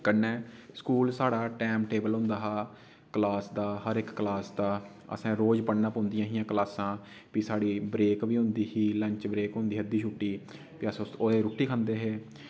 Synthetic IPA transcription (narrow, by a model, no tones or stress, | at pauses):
kənːɛːskuːlsaːɽaːʈɛːmʈeːbəlɦʊ̃nd̪aːɦaː | klaːsd̪aːhəɾɪkːlaːsd̪aː | ə̰sãːɾoːd͡ʒpəɽnaːpõːnd̪ɪjãːɦijãːklaːsãː | pisaːɽiːbɾeːkʋiːɦʊ̃nd̪iːhiːlə̃ɲt͡ʃbɾeːkɦõnd̪iːəd̪iːt͡ʃʰuːʈːiː | piəsoːd̪eːɾuʈːiːkʰə̃nd̪eːɦeː